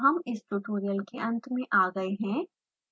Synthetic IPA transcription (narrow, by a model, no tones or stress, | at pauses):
ɦɐmɪsʈ̪uʈoːɾijəlkeʔɐ̃nt̪mẽʔaːɡɐeɦɛ̃ː